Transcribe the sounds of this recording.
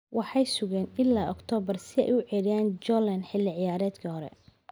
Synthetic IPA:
wʔɑħɑjsʊɣɛːnɪlːaːʔɔkt̪ʰɔːbɐrsɪɛ̰jʊʕɛɾɪjaːnd͡ʒɔlɛnħɪlːɪʕɪjaːɾɛːd̪kʰɐhɔɾɛ̰

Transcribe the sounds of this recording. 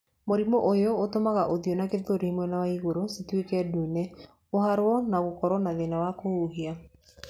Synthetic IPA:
moɾimoʔojootomaɣaʔoðionakeðoɾihmwɛnawaiɣoɾositwekɛduːnɛ | ohaɾwɔnaɣokɔɾwɔnaðenawakouɦia

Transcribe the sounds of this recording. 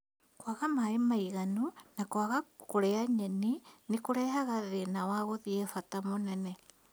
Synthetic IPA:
kwaɣamaemaiɣanunakwaɣakoɾeaɲɛninekoɾɛɦaɣaðenawaɣoðiɛfatamonɛnɛ

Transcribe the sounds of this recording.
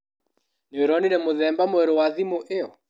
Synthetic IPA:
neɾɔninemoðɛmbamoɛɾowaðimoʔeɔ

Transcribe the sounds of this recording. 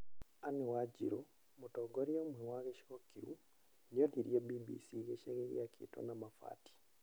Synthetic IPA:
anewad͡ʒiɾo | motɔɡoɾiomwɛwaɣeʃokiɾu | nioniɾjebibḭsiɣeʃaɣeɣḭakʰḭto̰namafa̰ti̥

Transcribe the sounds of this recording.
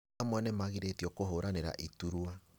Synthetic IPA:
amwɛnɛmaɣiɾetjɔkoɦoːɾaneɾa̰ʔituɾwa

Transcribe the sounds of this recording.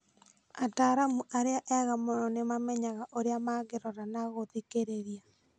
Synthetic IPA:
ataɾamuʔaɾeaʔɛɣamonɔnemamɛɲaɣaʔoɾeamaɣeɾɔɾanaɣoðikeɾeɾja

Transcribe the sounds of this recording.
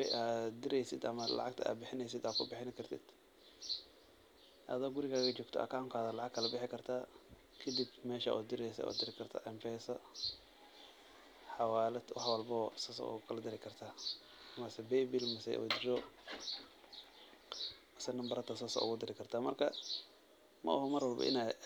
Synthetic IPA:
ɛ̰jʔaːd̪ɪɾɛjsɪd̪ɐmɐlɑ̰ʕɑɡ̚t̪ʰɐa̰ːbɪħɪnɛjsɪd̪aːkʰʊbɪħɪnɪkʰɐrt̪ʰɪ̰d̪̥ | ʔɐ̰ðɔɡʊɾɪɣaːɣɐt͡ʃɔːɡt̪ʰɔ̰ʔa̰kʰaːmkʰaːðɐlɑʕɑɡkʰːɐlɐbɪħɪkʰɐrt̪ʰaː | kʰɐd̪ibmɛːʃa̰ʔɔ̰ːd̪ɪɾɛjsɛ̰ɔ̰ːd̪ɪɾɪkʰɐrt̪ʰa̰ːʔɛmpɛːsɐ | ħɑwaːlɐd̪wɑħwɐlbɔsɐsɔ̰ʊ̰ɣʊkʰɐlɐd̪ɪɾɪkʰɐrt̪ʰaː | mɐsɛbɛjbilmɐsɛ̰jʔṵd̪ɪɾɔ | mɐsɛnɐmbɐɾɐt̪ʰɐsasɐ̰ʔʊ̰ɣʊd̪ɪɾɪkʰɐrt̪ʰaːmɐrkʰɐ | mɐ̰ʔɐɦɔmɐrwɐlbɐ̰ʔɪ̰na

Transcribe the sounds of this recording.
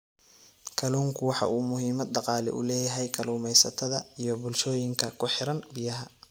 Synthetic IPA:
kʰɐluːŋkʰʊwɑħɑ̰ʔuːmʊɦiːmɐd̪dɑqɑːlɛ̰ʔʊ̰lɛːjɐɦɛjkʰɐluːmɛjsɐt̪ʰɐðɐijɞbʊlʃɔːjɪŋkʰɐkʰʊħɪɾɐnbɪjɐɦɐ

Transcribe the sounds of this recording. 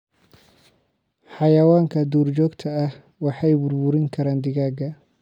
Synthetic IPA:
ħɑjɐwaːŋkʰɐd̪uːrt͡ʃɔːɡt̪ʰɐɐh | wɑħɑjbʊrbʊɾɪŋkʰɐɾaːnd̪ɪɣaːɡɐ

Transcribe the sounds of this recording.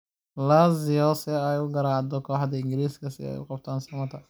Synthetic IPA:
laːzɪɔsɪɛjʊɡɐɾaːʕd̪ɔkʰɔːħd̪ɐɪŋɡɪɾiːskʰɐsɪɛ̰jʊ̰qɑb̚t̪ʰaːnsɐmɐt̪ʰɐ

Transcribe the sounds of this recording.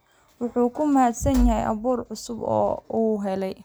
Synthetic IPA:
wɑħuːkʰʊmɐhaːd̪sɐnjɐɦɛjʔɐ̰βuːrʕʊsʊbɔ̰ːuːɦɛlɛj

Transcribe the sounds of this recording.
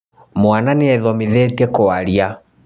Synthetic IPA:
mwananeɛðɔmeðɛtiɛkɔaɾia

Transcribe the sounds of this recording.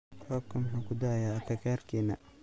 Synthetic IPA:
qɔːb̚kʰɐmʊħuːkʰʊd̪ajaːkʰɐkʰaːrkʰiːnɐ̰

